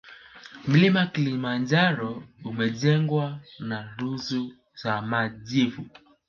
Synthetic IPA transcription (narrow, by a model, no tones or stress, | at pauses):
m̩limakilimaɲd͡ʒaɾɔumɛʄɛŋɡwanaɾuzu | zamaʄivu